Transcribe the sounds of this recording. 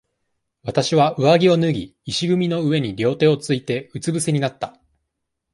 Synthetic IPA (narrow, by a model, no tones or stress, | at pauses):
βat̪aɕiβaʔɯ̟βaɡʲio̞nɯ̟ɡʲiːɕiɡɯ̟mʲino̞ɯ̟βe̞ɲ̟iɾʲo̞ːt̪e̞ːo̞t͡sɨit̪e̞ɯ̟t͡sɨbɯ̟se̞ɲ̟inat̪ːa